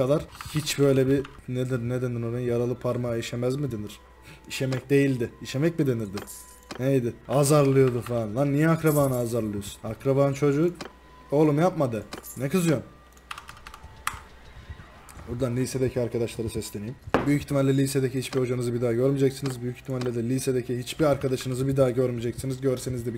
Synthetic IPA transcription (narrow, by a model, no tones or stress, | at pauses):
kad̪aɾ̥hit͡ʃbø̞jlʲɛbined̪iɾnɛd̪ɛninoɾenjaɾalˠɯpʰaɾmaiʃemæzmid̪eniɾ̥ | iʃemɛcd̪e̞jilʲd̪ɪiʃemɛc̚mid̪e̞niɾd̪ɪ | nejd̪ɪazaɾlˠɯjo̞d̪ufanlˠannijɛakɾabaːnɯazaɾlˠɯjo̞su̥nakɾabaɯnt͡ʃʰo̞d͡ʒu | olˠumjap̚mad̪ɯnɛkɯzujon | buɾd̪anlʲised̪ecʰiaɾkʰad̪aʃlˠaɾɯsɛslʲeijimbyjycʰi̥çt̪ʰːimalʲːɛlʲiːsed̪ecʰihit͡ʃbio̞d͡ʒanɯzɯbid̪aːɟøɾmid͡ʒacsinizbyjycʰi̥t̪ʰːimalʲːɛd̪ɛlʲiːsed̪ecʰiɦit͡ʃbiaɾkʰad̪aʃɯnɯzɯbid̪aːɟøɾmid͡ʒecsinizɟøɾsenizd̪ɛ